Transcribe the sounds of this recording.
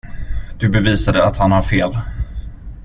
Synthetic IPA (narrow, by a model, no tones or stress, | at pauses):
d̪̥ɵbɛviːsad̪əat̪hanhaɾfeːl